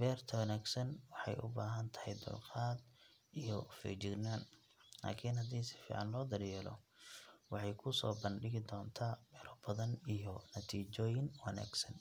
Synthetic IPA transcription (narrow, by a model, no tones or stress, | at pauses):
bɛːrt̪ʰɐwɐnaːɡsɐnwɑħɑ̰jʔʊ̰baːɦɐnt̪ʰɐ̥hɛjd̪ʊ̰lqɑːd̪ | ijɔfɛ̰d͡ʒɪɡnaːn | la̰ːkʰinɦɐd̪iːsɪ̥fḭːʕɑnlɔːd̪ɐɾjɛlɔ̰ | wɑħɑjkʰʊsɔ̰ːbɐnɖɪɣɪd̪ɔːnt̪ʰaːbɛːɾɔbɐðɐnijɔnɐt̪ʰiːt͡ʃɔːjɪnwɐna̰ːɡsɐn